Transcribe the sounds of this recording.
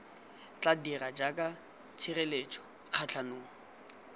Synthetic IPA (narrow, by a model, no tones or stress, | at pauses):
t͡ɬadirad͡ʒakʼa | t͡sʰirelet͡ʃʼɔ̥ | q͡χʰat͡ɬʰanʊːɔ